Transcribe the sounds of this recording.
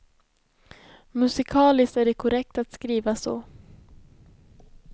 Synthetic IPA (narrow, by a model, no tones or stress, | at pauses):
mɵsɪkʰɑːlɪst̪æɖɛkʰʊɾɛk̚t̪at̪skɾiːvasɔ̰ː